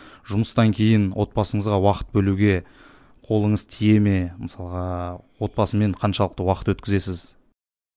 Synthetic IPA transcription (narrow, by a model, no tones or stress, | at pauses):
ʒʊməst̪ɑŋkʲʰe̞jɪnwʔo̞t̪̚bɑsəɴəzʁɑwɑqə̥t̪̚bɵluɡʲe̞ | qʰo̞lˠəɴəzt̪ʰije̞me̞məsɑlˠəʁɑwo̞t̪̚bɑsəme̞ɴqʰɑnʃɑlˠəq̚t̪əwɑqət̪wɵt̪kʲɪze̞sɪz